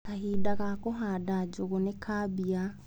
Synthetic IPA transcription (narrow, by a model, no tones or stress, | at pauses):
kahiːdakakoɦadad͡ʒukonekʰabia